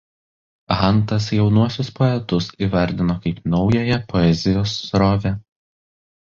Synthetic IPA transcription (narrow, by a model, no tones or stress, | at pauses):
ɣɐnˑt̪ɐs̬jɛʊnuɔsʲʊspɔɛt̪ʊsiːʋɐɾʲd̪ʲɪnoːkɐɪpnɒʊjɛjɛpɔɛzʲɪjoːsːɾɔːʋʲɛ